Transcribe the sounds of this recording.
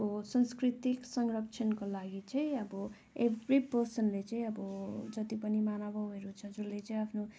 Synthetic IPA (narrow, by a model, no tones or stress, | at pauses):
osʌnskrit̪iksʌŋrʌpt͡sʰʌnkolaɡit͡sʌĩʌbʌ | ebripʌrsʌnlet͡sʌĩʌbʌd͡zʌt̪ipʌnimanʌbʌɦeɾut͡sʰʌd͡zulːet͡sʌĩapʰno